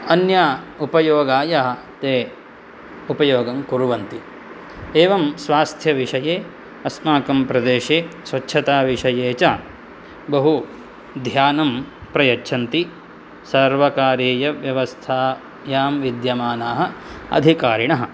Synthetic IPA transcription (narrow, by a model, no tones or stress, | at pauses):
ɐnjaːupɐjoːɡaːjɐɦɐt̪eː | upɐjoːɡɐmkuɾuʋɐnt̪i | eːʋɐmsʋaːst̪ʰjɐʋiʂɐjeː | ɐsmaːkɐmpɾɐd̪eːʃeːsʋɐtːt͡ʃʰɐt̪aːʋiʂɐjeːt͡ʃaː | bɐɦu | d̪ʱjaːnɐmpɾɐjɐtːt͡ʃʰɐnt̪i | sɐɾʋɐkaːɾeːjɐʋjɐʋɐst̪ʰaː | jaːmʋid̪jɐmaːnaːɦɐ̆ɐ̰d̪ʱikaːɾiɳɐɦɐ̆